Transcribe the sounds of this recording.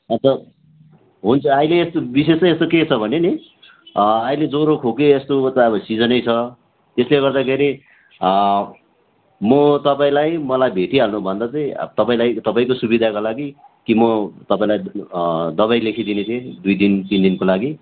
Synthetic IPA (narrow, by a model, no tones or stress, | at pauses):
ʌt̪ʌ | ɦunt͡sʰʌaileːst̪obis̬esʌest̪oket͡sʰʌbʱʌneni | ailed͡zoɾokʰokeːst̪ot̪ʌbʌsid͡zʌnʌjt͡sʰʌ | t̪esleɡʌrd̪akʰeɾi | mʌt̪ʌpaĩlajmʌlajbʱeʈiɦalnubʱʌnd̪at͡sʌj̰̃t̪ʌpaĩlajt̪ʌpaĩkosubid̪ʱakolaɡikimʌt̪ʌpaĩlaj | d̪ʌbajlekʰid̪inet̪ʰiẽd̪ujd̪int̪ind̪inkolaɡi